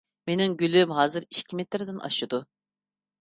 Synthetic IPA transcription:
meniŋɡʲylymɦɑːzɨɾiʃcʲʰimɛt̪lɪɾd̪ɪnʔɑ̰ʃɨd̪u

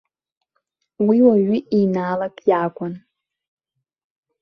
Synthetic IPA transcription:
wiwaɥiinaːlakʼjaːkʷʼan

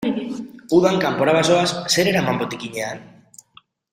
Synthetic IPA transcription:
uðaŋkampo̞ɾaβaso̞asse̞ɾeɾamambot̪ikiɲe̞an

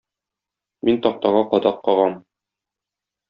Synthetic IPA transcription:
mint̪ɒq̚t̪ɑʁɑqɒd̪ɑqːɒʁɑm

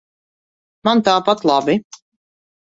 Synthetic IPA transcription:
mant̪aːpat̪lˠabi

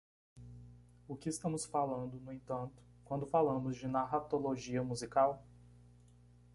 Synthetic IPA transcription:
ʊkɪɪst̪ɐ̃mʊsfalɐ̃nd̪ʊnʊẽt̪ɐ̃nt̪ʊ̥kwɐ̃nd̪ʊfalɐ̃mʊzd͡ʒɪnaɦat̪oloʒiɐmuzikaw

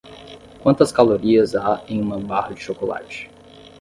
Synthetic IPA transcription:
kwɐ̃nt̪ɐskaloɾiɐzaẽj̃ũmɐ̃bahɐd͡ʒɪʃokola̰t͡ʃɪ̥

